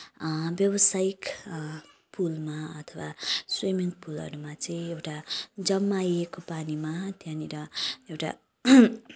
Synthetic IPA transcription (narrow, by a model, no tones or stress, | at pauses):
bjʌbʌsaik | pʰulmaʌt̪ʰʌwaswimiŋpʰulʌ̰ɾumat͡sʌĩewʈad͡zʌmːajekopanimat̪janiɾʌewʈa̰